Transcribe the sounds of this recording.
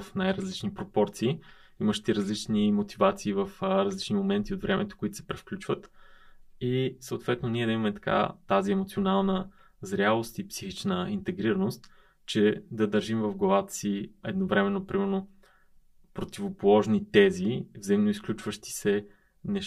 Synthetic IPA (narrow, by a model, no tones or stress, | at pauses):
fnajɾəzlit͡ʃnipɾopɔɾt̪siː | iməʃt̪ɛɾɐzlit͡ʃnimot̪ivat̪siːvəfɾɐzlit͡ʃnimomɛnt̪iod̪vɾʔɛmɛt̪o̥koit̪o̥sɛ̥pɾɛfklʲut͡ʃvət̪ | isəʊt̪vɛt̪noniɛd̪ɐimɐmɛt̪ɐ̥ka̰t̪aziɛmot̪sionalˠnə | zɾʲalˠost̪ipsixit͡ʃnəint̪ɛɡɾiɾənost̪ | t͡ʃɛd̪ɐd̪əɾʒimvəvɡlˠɐvat̪ə̥siɛd̪novɾɛmɛnːopɾimɛɾno | pɾot̪ivopolˠɔʒnit̪ɛzivzəimnoisklʲut͡ʃvəʃt̪i̥sɛ | nɛʃ